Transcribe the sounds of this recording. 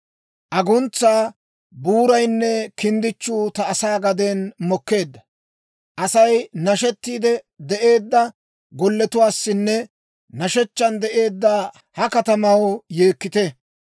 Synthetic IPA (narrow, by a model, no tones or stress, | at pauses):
ʔɐɡʊnt͡sːaː | buːɾɐjnːɛkɪnd̪ɪt͡ʃːuːt̪ɐːsaːɡɐd̪enmɔkːe̞ːd̪ːɐ | ʔɐsɐjnɐʃɛt̪ːiːd̪ɛ | d̪ɛʔe̞ːd̪ːɐ | ɡɔlːɛt̪ʊwaːsːɪnːɛ | nɐʃɛt͡ʃːɐnd̪ɛʔe̞ːd̪ːaː | hɐkɐt̪ɐmɐwje̞ːkːɪt̪ɛ